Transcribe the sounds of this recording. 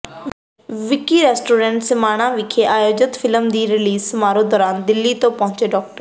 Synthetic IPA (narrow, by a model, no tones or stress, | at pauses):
ʋɪkiːɾɛːsʈoːɾɛ̃ɳʈsɪmaːɽ̃ãːʋɪkʰeʔaːjoːd͡ʒət̪fʰɪləmd̪iːɾɪliːsmaːɾõːd̪ɔːɾaːnd̪ɪlːiːt̪õːpɔɦʊ̃t͡ʃeːɖɔːk̚ʈəɾ